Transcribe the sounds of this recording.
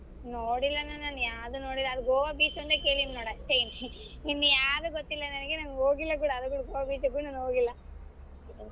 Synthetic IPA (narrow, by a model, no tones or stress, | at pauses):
noːɽilːɐnɐnanujaːd̪unoːɽilːɐːd̪uɡoːʋabiːt͡ʃond̪eke̞ːɭinnoːɽɐʂʈein | ninːujaːd̪uɡot̪ːilːɐnɐnɐɡenɐnoːɡilːɐk̬uːɽɐːd̪uk̬uːɽɐɡoːʋabiːt͡ʃɐɡuɽnɐnoːɡilːɐ